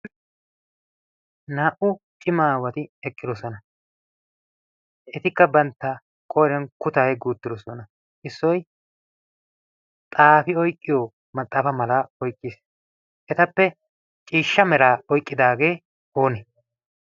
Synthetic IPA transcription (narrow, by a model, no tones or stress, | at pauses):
naːʔʊ | t͡ʃʼɪmaːwɐt̪ɪɛkʼːɪd̪ɔsɔnɐ | ʔɛt̪ɪkːɐbɐnt̪ːɐ | kʼɔjɾɛnkʊt̪aːjɡuːt̪ːɪd̪ɔsɔnɐ | ʔɪsːɔj | t̪ʼaːfɪɔjkʼːɪjo | mɐt̪ʼːaːfɐmɐlaːɔjkʼːis | ʔɛt̪ɐpːɛ | t͡ʃʼiːʃːɐmɛɾaːɔjkʼːɪd̪aːɡe̞ː | oːnɛ